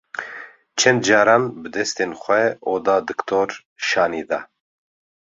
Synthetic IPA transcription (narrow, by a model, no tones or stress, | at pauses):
t͡ʃʰɛnd̪d͡ʒɑːɾaːnbɨd̪ɛst̪eːnxʷɛʔoːd̪ɑːd̪ɨkt̪ʰoɾ | ʃɑːniːd̪ɑ̰